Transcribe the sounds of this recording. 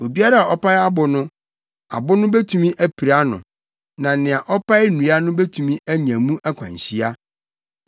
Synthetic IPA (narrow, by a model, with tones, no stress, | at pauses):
o˨bi˦a˦ɾa˦a˨ʔɔ˦pa˦ja˦bʊ˨nʊ̃˦ | a̰˨bʊ˦nʊ̃˦be˦tʰũ˨mĩ˦ʔæ˦pʰi˨ɾa˦nʊ̰̃˨ | nã˨nɪ̃˨a˨ʔɔ˦pa˦ɪ˦nũ˨a˦nʊ̃˦be˦tʰũ˨mĩ˦ʔæ˦ɲã˨mũ˦ʔæ˦kʷʰã̰˨ɲ˨ɕi˦a˦